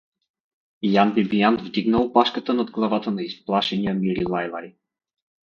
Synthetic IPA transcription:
janbibijant̪vd̪iɡnəlˠpaʃkət̪ənad̪ɡlˠɐvat̪ənaisplˠaʃɛnijəmiɾilˠajlˠa̰ɾi

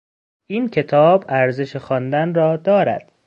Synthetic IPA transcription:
ʔiːncʰe̞t̪ʰɒːbæɾze̞ʃexɒːnd̪ænrɒːd̪ɒːɾæ̰d̪̥

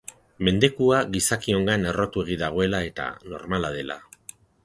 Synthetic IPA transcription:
me̞nd̪e̞kuaɣisakio̞ŋɡane̞ro̞t̪ue̞ɣ̞iðaɣ̞o̞e̞lae̞t̪a̰no̞̰ɾmalað̞e̞la̰

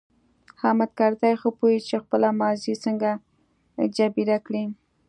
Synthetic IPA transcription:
hamad̪̚kaɾt̪ajxəpojit͡ʃexpəlamɑzisəŋɡa | d͡ʒabiɾakɽi

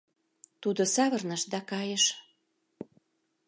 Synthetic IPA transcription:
t̪ud̪osɑβɤrnəʃd̪ɑkɑjəʃ

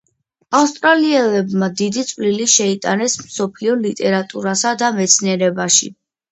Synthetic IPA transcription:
afst̪ʼɾaliɛlɛbmad̪id̪it̪sʼvliliʃɛit̪ʼanɛsmsɔpʰliɔlit̪ʼɛɾat̪ʼuɾasad̪amɛt̪sʰniɛɾɛbaʃḭ

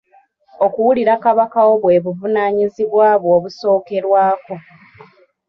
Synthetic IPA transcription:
okuwuliɾakaβakawo̞βwe̞βuvunaːɲiziβwaːβwoːβuso̞ːke̞ɾwaːko̞

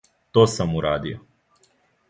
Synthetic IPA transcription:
t̪oːsamuɾaːd̪ijo

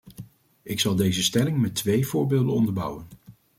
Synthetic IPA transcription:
ɪksɑlˠdejzəstɛlɪŋmɛtʋejvʊːɹbeːlˠdənɔndəɹbʌ̰wən

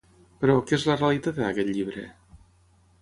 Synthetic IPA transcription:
pəɾɔkezlərealit̪at̪̚akɛt̪ʎiβɾə̰

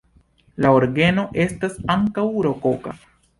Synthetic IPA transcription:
laoɾɡe̞no̞ʔe̞stasaŋkawɾo̞koka̰

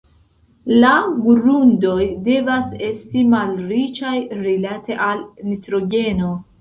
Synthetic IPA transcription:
laɡuɾundo̞jde̞vase̞stimalɾit͡ʃajɾilate̞ʔalnitɾo̞ɡe̞no̞

